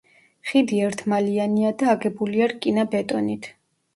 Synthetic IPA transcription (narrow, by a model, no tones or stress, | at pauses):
χid̪iɛɾt̪ʰmalianiad̪aːɡɛbuliaɾkʼinabɛt̪ʼɔnit̪ʰ